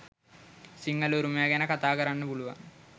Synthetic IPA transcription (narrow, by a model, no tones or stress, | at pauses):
siŋːɡɐluɾumeːɡɐnɐkɐt̪aːɡɐɾɐɳːubuɭuʋɐ̰